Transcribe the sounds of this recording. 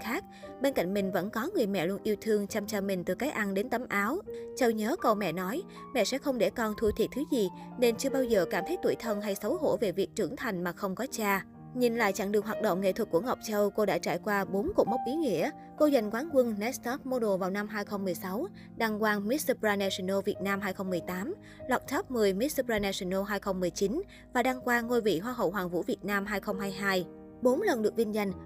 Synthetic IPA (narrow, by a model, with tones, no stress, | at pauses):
xaː˦˥k̚ɓe˧nka̰˧˨jŋ̟mï˨˩ŋ̟və̰˧˥nkɔ˨˦ŋɨ˨˩əjmɛ̰˧˨lu˧ənʔi˧əwt̪ʰɨ˧əŋt͡ɕa˧mt͡ɕaː˧mï˨˩ŋ̟t̪ɨ˨˩kaː˨˦jʔa˧nɗe˨˦nt̪ə˨˦mʔaː˨˦wt͡ɕə˧wɲəː˨˦kə˨˩wmɛ̰˧˨nɔ˨˦j | mɛ̰˧˨sɛ̰˧˥xə˧wŋ͡mɗe˧˩kɔ˧nt̪ʰu˧t̪ʰi˨˩t̚t̪ʰɨ˨˦zi˨˩ne˧nt͡ɕɨ˧əɓaː˧wzəː˨˩kaː˧˩mt̪ʰə˨˦jt̪u˧˩əjt̪ʰə˧nɦa˧jsə˨˦wɦo̰˧˩ve˨˩vi˨˩ək̚t͡ɕɨ̰˧˩əŋt̪ʰa˨˩jŋ̟maː˨˩xə˧wŋ͡mkɔ˨˦t͡ɕaː˧ | ɲi˨˩nla̰ː˧˨jt͡ɕa̰˧˩ŋɗɨ˨˩əŋɦwaː˨˩ɗə̰˧˨wŋ͡mŋḛ˧˨t̪ʰə˨˩k̚ku˧˩əŋɔ˨˩wk͡p̚t͡ɕə˧wko˧ɗa̰ː˧˥t͡ɕa̰ː˧˩jkwaː˧ɓo˨˦nko̰˧˩mə˦˥wp̚ʔi˨˦ŋḭ˧˥ə | ko˧zə˨˩jŋ̟kwaː˨˦nkwɨ˧ŋnɛ˦˥st̪ɔ˦˥p̚mo˧ɗo˨˩vaː˨˩wna˧mɦaː˧jxə˧wŋ͡mmɨ˨˩əjsa˨˦w | ɗa˧ŋkwaː˧nmi˦˥t̚sə˧pɹaː˧nɛ˧si˧nə˧vi˨˩ət̚naː˧mɦaː˧jxə˧wŋ͡mmɨ˨˩əjt̪aː˨˦m | lwaː˨˩t̚t̪ʰɔ˦˥p̚mɨ˨˩əjmi˦˥sə˧pɹaː˧nɛ˧si˧no˧ɦaː˧jxə˧wŋ͡mmɨ˨˩əjt͡ɕi˨˦n | vaː˨˩ɗaː˧ŋkwaː˧ŋo˧˩jvḭ˧˨ɦwaː˧ɦə̰˧˨wɦwaː˨˩ŋvṵ˧˥vi˨˩ət̚naː˧mɦaː˧jxə˧wŋ͡mɦaː˧jɦaː˧j | ɓo˨˦nlə˨˩nɗɨ˨˩ək̚vi˧nza˧˩jŋ̟